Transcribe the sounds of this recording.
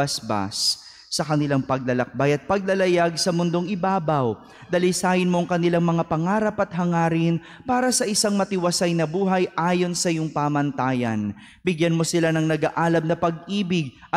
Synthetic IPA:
ɐsba̰sː | ɐkɐnɪlaŋpɐɡ̚lɐlɐk̚bajɐt̪̚pɐɡ̚lɐlɐjaɡ̚sɐmʊnd̪o̞ŋɪbaːbɐw | d̪ɐlɪsaːjɪnmo̞ɐŋkɐnɪlaŋmɐŋapɐŋaːɾɐpɐt̪̚hɐŋaːɾɪn | paːɾɐsɐʔɪsaŋmɐt̪ɪwɐsajnɐbuːɦɐjʔaːjo̞nsɐɪjoŋpaːmɐnt̪aːjɐ̰n | bɪɡjɐnmo̞sɪlanɐŋnɐɡaʔaːlɐmnɐpɐɡ̚ʔiːbɪɡ̚

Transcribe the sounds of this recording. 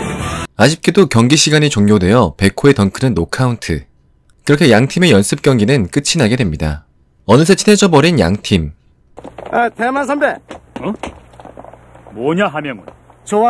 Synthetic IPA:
ad͡ʑip̚k͈e̞dokjʌŋɡiɕʰiɡaɲit͡ɕoŋɲjodwe̞jʌpe̞kʰoe̞tʌnkʰɯnɯnːokʰauntʰɯ̰ | kɯɾʌkʰe̞jaŋtʰime̞jʌns͈ʰɯp̚k͈jʌŋɡinɯnk͈ɯt͡ɕʰinaɡe̞dwemɲida̰ | ʌnɯsʰet͡ɕʰine̞d͡ʑʌbʌɾinja̰ŋtʰim | etemans̬ʰʌndeʌ | mwʌɲaɦamjʌŋɯnt͡ɕoa

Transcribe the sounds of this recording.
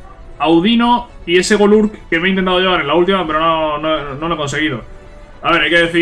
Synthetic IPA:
awðinoie̞se̞ɣoluɾkke̞meint̪ent̪aðo̞ʝe̞aɾenlault̪̬imape̞ɾononoenoleko̞nse̞ɣ̞iðo̞ | aβeɾajke̞ðe̞θi

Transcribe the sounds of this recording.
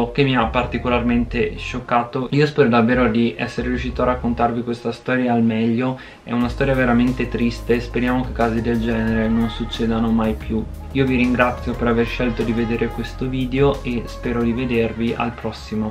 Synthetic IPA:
k̟emːiapːart̪ikolarment̪eʃokːaːt̪oiːospɛːɾod̪avːeːɾod̪iʔɛsːeɾeɾjuʃiːt̪oarːakːont̪arvikwest̪ast̪ɔːɾjaːlmɛʎːo | ɛ̰unast̪ɔːɾjaveɾament̪et̪ɾist̪espeɾjaːmokekːaːzid̪eld͡ʒɛːneɾenonsut͡ʃːɛːd̪anomajpju | iːoviɾiŋɡɾat̪sːjopeɾaverʃelt̪od̪ived̪eːɾekwest̪oviːd̪eoespɛːɾod̪ived̪erviʔa̰lpɾɔsːimo

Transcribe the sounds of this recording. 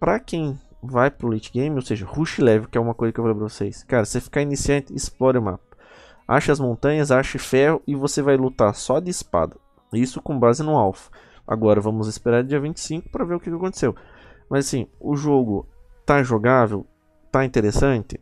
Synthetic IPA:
pɾɐkẽj̃ | vajpɾʊlejt͡ʃɪɡẽj̃mɪowseʒɐhuʃɪlɛvɪʊkɪɛũmɐkojzɐkewvolẽbpɾɐvosejskaɾɐsɪafi̥kainisiɐ̃nt̪ɪːsplɔɾɪʊma̰pɐ̥ | a̰ʃɐɐzmõnt̪ɐ̃ɲɐzaʃɪfɛhʊɪvosevajlut̪aɾsɔd̪ɪispa̰d̪ɐ | isʊkõbazɪnʊ̃awfɐ̥ | a̰ɡɔɾɐvɐ̃mʊzɪspeɾaɾd͡ʒiɐvĩnt͡ʃɪ̥sĩkʊ̥pɾɐveɾʊkɪkɪakõnt̪e̥sew | mɐzasĩʊʒoɡʊt̪aʒoɡavew | t̪aĩnt̪eɾesɐ̃nt̪ɪ

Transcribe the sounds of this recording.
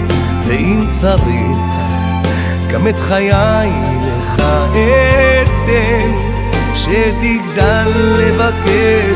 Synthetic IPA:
veimt͡saʁi | χ | kamet̪χajaj | leχaʔet̪e | ʃet̪iɡd̪alːevake

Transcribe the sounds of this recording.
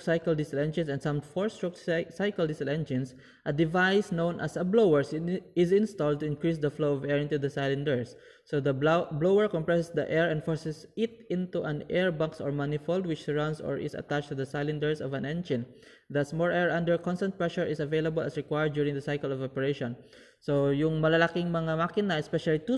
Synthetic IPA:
sajkəld̪ɪsɪlɛ̃nd͡ʒɪ̃nsɛ̃nd̪sʌ̃mfɔɹst̪ɹɔk̚sajkəld̪ɪsɪlɛ̃nd͡ʒɪ̃ns | ʔɐd̪ɪvajsnõʊ̃nʔɐsɐblowɛɹsɪsɪ̃nst̪ɔld̚t̪ʊɪ̃nkɹis̬d̪ɐfloɔvɛɹɪ̃nt̪ud̪ɐsajlɪ̃nd̪əɹsː | od̪ɐblowəɹkɔ̃mpɹɛsɛsd̪ɐʔɛɹɛ̃nd̪fɔɹsɛsɪt̪̚ɪ̃nt̪uʔɐ̃nɛɹbaŋksɔɹmanɪfold̪̚wɪt͡ʃsɛɹãw̃nd̪sɔ̰ɹʔɪ̰sɐ̰t̪at͡ʃt̪ud̪ɐsajlɪ̃nd̪ɛɹsɔvɐ̃nɛ̃nd͡ʒɪ̃n | d̪ɐsmɔɹʔɛɹʔãnd̪əɹkɔ̃nst̪ãnt̚pɹɛʃʊɹɪsɐvejlɐbɔlɐsɹɪkwajəɹd̪̚d͡ʒjuɹɪ̃ŋd̪ɐsajkəlɔvɔpɛɹeʃɔ̃n | sojʊŋmɐlɐlakɪŋmɐŋamakɪnɐɛspɛʃalit̪u

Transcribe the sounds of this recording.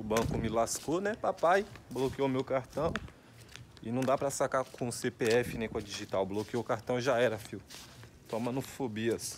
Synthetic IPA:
ʊbɐ̃kʊmɪlaskonɛpapajblokiomewkaɾt̪ɐ̃w̃ | ɪnɐ̃w̃d̪apɾɐsakakʰõsepeɛfɪnẽj̃kõɐd͡ʒiʒit̪awblokioʊkaɾt̪ɐ̃w̃ʒaɛɾɐfiw | t̪õmɐ̃nofobiɐs

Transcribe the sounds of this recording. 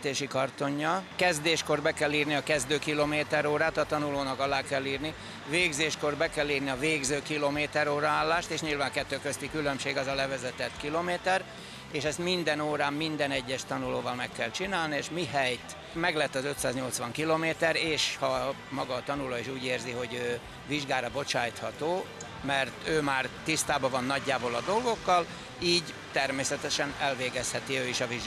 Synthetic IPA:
t̪eːʃikɒrt̪o̞ɲːɒkɛzd̪eːʃko̞rbɛkɛlːiːrniɒkɛzd̪øːkilomeːt̪ɛɾoːɾaːt̪ɒt̪ɒnuloːnɒkɒlaːkɛlːiːrni | veːɡzeːʃko̞rbɛkɛlːiːrniɒveːɡzøːkilomeːt̪ɛɾoːɾɒaːlːaːʃt̪eːʃɲilvaːŋkɛt̪ːøːkøst̪ikylømʃeːɡɛzɒlɛvɛzɛt̪ɛt̪kilomeːt̪ɛr | eːʃɛst̪mind̪ɛnoːɾaːmːind̪ɛnɛɟːɛʃt̪ɒnuloːvɒlmɛkːɛlt͡ʃinaːlnieːʃmiɦɛjt̪ | mɛɡlɛt̪ːɒzøt̪saːzɲo̞lt̪sʋɒŋkiloːmeːt̪ɛɾeːʃhɒmɒɡɒːt̪ɒnulɒeːʃuːɟeːrziɦo̞ɟøː | viʒɡaːɾɒbo̞t͡ʃaːjt̪hɒt̪oː | mɛrt̪øːmaːrt̪ist̪aːbɒvɒnːɒɟːaːbolɒd̪o̞lɡo̞kːɒl | iːɟ | t̪ɛrmeːsɛt̪ɛʃɛnɛlveːɡɛshɛt̪iøːiʃɒviʒɡ

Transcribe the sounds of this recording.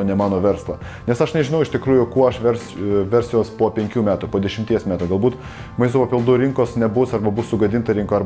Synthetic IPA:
nʲɛmɑːnoːʋʲɛɾslˠɐ | nʲɛsɐʃnʲɛʒʲɪnɐʊɪʃt̪ʲɪkɾuːjʊkuɔɐʃʋʲɛɾsʋʲɛɾʲsʲjoːspoːpʲɛŋʲkʲuːmʲæːt̪upoːd̪ʲɛʃʲɪmʲt̪ʲiɛsmʲæːt̪uːɡɐlˠbuːt̪ | mɐɪst̪oːpɐpʲɪlˠd̪uːɾʲɪŋkoːsnʲɛbʊsɐɾbɐbʊssʊɡɐd̪ʲɪnt̪ɐɾʲɪŋkoɐɾ

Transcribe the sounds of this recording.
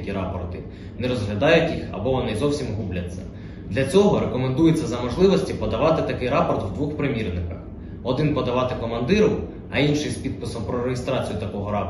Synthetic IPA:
kʲiɾɑpɔrt̪ɪ | neɾɔzɦlʲɐd̪ɑjʊtʲjixɐ̰bɔʋɔnɪzɔwsʲimɦublʲɐt͡sʲːɐ̰ | d̪lʲɐt͡sʲɔɦɔɾekɔmend̪ujet͡sʲːɐzɐmɔʒlˠɪʋɔsʲtʲipɔd̪ɐʋɑt̪ɪt̪ɐkɪjɾɑpɔrt̪wd̪ʋuxpɾɪmʲirnɪkɐx | ɔd̪ɪnpɔd̪ɐʋɑt̪ɪkɔmɐnd̪ɪɾʊ | ɐinʃɪjspʲid̪̚pɪsɔwpɾɔɾeɦɪst̪ɾɑt͡sʲijʊt̪ɐkɔɦɔɾɑ

